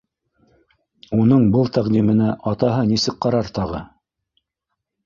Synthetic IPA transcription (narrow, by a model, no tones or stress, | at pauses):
unɤɴbɤlˠt̪æʁd̪imɘ̆næʔɑt̪ɑɦɤnisɘk̚qɑɾɑɾt̪ɑʁɤ